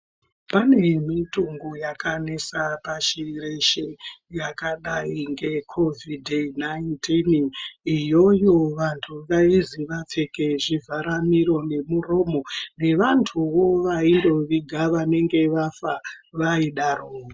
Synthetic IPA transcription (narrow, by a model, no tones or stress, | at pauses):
pane̞mituŋɡojakanesapaʃireʃejakaɗaiŋɡe̞kʰo̞vidʱnaintʰinijo̞jo̞ʋantʰuʋaiziʋap͡fe̞keʐivʱaɾamiɾo̞ne̞muro̞ːmo̞ne̞ʋantʰuʋo̞ʋaindo̞ʋiɡʱaʋane̞ŋɡe̞ʋafa | ʋaiɗaɾoːo